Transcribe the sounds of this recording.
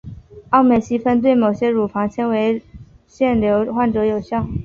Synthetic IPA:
ɑ˥˩ʊme˨˩ɕi˥fə˥nt̪̬we˥˩ɪmo˨˩ʊɕjɛ˥ɻu˨˩fɑ˧˥ŋt͡ɕʰjɛ˥nwe˧˥ɪ | ɕjɛ˥˩nljo˧˥ʊxwa˥˩nʈ͡ʂɤ˧˥jo˨˩ʊɕjɑ˥˩ʊ

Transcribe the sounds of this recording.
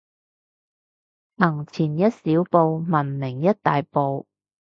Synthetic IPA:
ʔɐ˨˩ŋt͡sʰiː˨˩njɐ˥t̚siː˨˥wpo˨˧wmɐ˨˩nmɪ˨˩ŋjɐ˥t̚t̪aː˨jpo˨˧w

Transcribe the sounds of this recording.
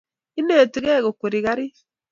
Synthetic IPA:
i˦neː˦˨ti˨˦ɣɛ˦ɣo˨ko˨ɾi˨ɣa˦ɾi˦

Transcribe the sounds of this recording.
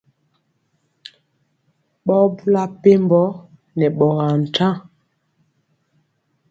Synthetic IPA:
ɓɔ˦bu˦la˦pe˦mbɔ˦ | nɛ˨ɓɔ˨ɣa˨n̩˨tã˦˨

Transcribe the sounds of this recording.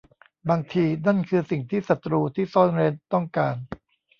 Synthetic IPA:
baː˧ŋt̪ʰiː˧na˥˩nkʰɯː˧si˨˩ŋt̪ʰiː˥˩sa˨˩t̪ɾuː˧t̪ʰiː˥˩sɔː˥˩nɾe˦˥nt̪ɔ˥˩ŋkaː˧n

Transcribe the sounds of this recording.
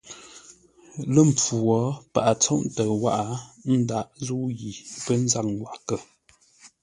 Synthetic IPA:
lə˦˨m̩˨p͡fu˨wɔ˨˦pa˨ʔa˨t͡sɔ˦ʔtə˨wa̰˦ʔa˨˦n̩˦da˦˨ʔzu˦ɣi˨pə˦n̩˦za˦k̚ŋ˨wa˨ʔkə˨

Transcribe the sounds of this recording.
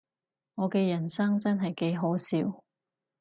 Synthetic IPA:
ŋɔː˨˧kɛː˧jɐ˨˩nsɐ˥ŋt͡sɐ˥nɦɐ˨jke˨˥jɦo˨˥wsiː˧w

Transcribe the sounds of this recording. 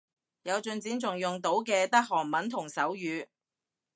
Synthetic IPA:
jɐ˨˧wt͡ʃɵ˧nt͡siː˨˥nt͡sʊ˨˩ŋjʊ˨ŋt̪o˨˥wkɛː˧t̪ɐ˥k̚hɔː˨˩ŋmɐ˨˥nt̪ʰʊ˨˩ŋsɐ˨˥wjyː˨˧

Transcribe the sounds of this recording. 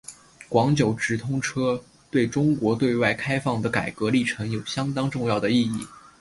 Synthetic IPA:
kwɑ˧˥ŋt͡ɕjo˨˩ʊʈ͡ʂɻ̩˧˥t̪ʰʊ˥ŋʈ͡ʂʰɤ˥ | t̪we˥˩ɪʈ͡ʂʊ˥ŋkwɔ˧˥t̪we˥˧ɪwa˥˩ɪkʰa˥ɪfɑ˥˩ŋd̪ə˩ka˨˩ɪkɤ˧˥li˥˩ʈ͡ʂʰɤ˧˥ŋjo˨˩ʊɕjɑ˥ŋt̪ɑ˥ŋʈ͡ʂʊ˥˧ŋjɑ˥˩ʊd̪ə˩i˥˧i˥˩

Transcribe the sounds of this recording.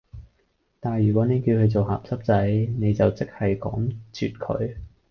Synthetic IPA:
t̪aː˨˩njyː˨˩kʷɔː˨˥ne˨˧jki˧wkʰɵ˨˧ɥt͡so˨wɦa̰ː˨p̚sɐ˥p̚t͡sɐ˨˥jne˨˧jt͡sɐ˨wt͡sɪ˥k̚hɐ˨jkɔ̰ː˨˥ŋt͡sʰy̰ː˨t̚kʰɵ̰˨˧ɥ

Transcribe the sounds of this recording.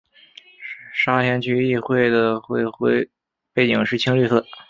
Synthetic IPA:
ʂa˥t̪ʰjɛ˧˥nt͡ɕʰy˥i˥˧xwe˥˩ɪd̪ə˩xwe˥˧ɪxwe˥ɪ | pe˥˩ɪt͡ɕi˨˩ŋʂɻ̩˥˧t͡ɕʰi˥ŋly˥˧sɤ˥˩

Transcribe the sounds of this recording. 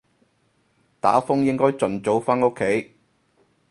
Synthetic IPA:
t̪a̰ː˨˥fʊ˥ŋjɪ˥ŋkɔː˥jt͡sɵ˨nt͡so˨˥wfaː˥no˥kʰe˨˥j

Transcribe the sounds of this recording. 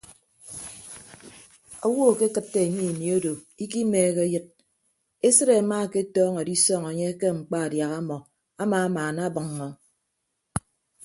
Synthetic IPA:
ɔ˦wɔ˦˨ke˦kɨ˦tːe˨e˨ɲi˦˨ni˨o˦do˨ | i˦ki˦meː˨˦ɣe˦jɨ˦t̚ | e˦sɨ˦ɾe˨a˨maː˦˨ke˦tɔː˦ŋe˨di˦sɔ˦ŋa˨ɲe˦ke˦ŋ͡m̩˨k͡pa˦a˨dja˨ɣa˦mɔ˨ | a˦maː˨˦maː˨na˦bɨ˨ŋːɔ˨

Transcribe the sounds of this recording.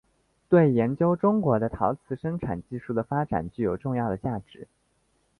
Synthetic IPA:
t̪we˥˩ɪjɛ˧˥nt͡ɕjo˥ʊʈ͡ʂʊ˥ŋkwɔ˧˥d̪ə˧t̪ʰɑ˧˥ʊt͡sʰɹ̩˧˥ʂə˥ŋʈ͡ʂʰa̰˨˩nt͡ɕi˥˧ʂu˥˩d̪ə˩fa˥ʈ͡ʂa̰˨˩nt͡ɕy˥˩jo˨˩ʊʈ͡ʂʊ˥˧ŋjɑ˥˩ʊd̪ə˩t͡ɕja˥˩ʈ͡ʂɻ̩˧˥˦

